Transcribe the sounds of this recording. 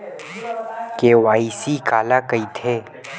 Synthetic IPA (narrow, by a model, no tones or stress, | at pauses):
keːwaːisikaːlakɐit̪ʰeː